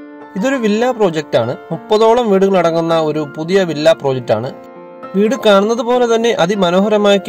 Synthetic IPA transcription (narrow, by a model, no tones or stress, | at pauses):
iðo̞ɾuʋilːaːpro̞ːd͡ʑek̚taːɳɨmupːɐðo̞ːɭɐmʋiːɽuɣɐɭiɽɐŋːunːɐo̞ɾupuðijɐʋilːaːproːd͡ʑek̚tːa̰ːɳɨ | ʋiːɽɨkaːɳunːɐðupo̞ːle̞t̪ɐnːe̞ʔɐðimɐno̞ːɦɐɾɐmaːjkː